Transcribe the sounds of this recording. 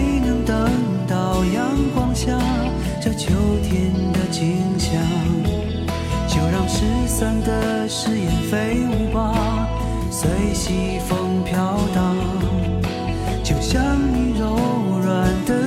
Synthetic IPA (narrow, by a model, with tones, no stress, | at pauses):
nɤ˧˥ŋt̪ə˧˥ŋ | t̪ɑ˥˩ʊjɑ˧˥ŋkwɑ˥ŋɕja˥˧ | ʈ͡ʂɤ˥˧t͡ɕʰjo˧˥ʊt̪ʰjɛ˧˥nd̪ə˧t͡ɕi˧˥ŋɕjɑ˧ŋ | t͡ɕjo˧˩ʊɻɑ˥˧ŋʂɻ̩˥sə˥˧nd̪ə˧ | ʂɻ̩˥˧jɛ˨˩nfe˧˥ɪu˧˥pa˧ | swe˧˥ɪɕi˧˥ | fɤ˧˥ŋpʰjɑ˥ʊt̪ɑ˧ | t͡ɕjo˥˩ʊɕjɑ˥ŋni˧˥ɻo˧˥ʊ˩ɻa˨˩nd̪ə˧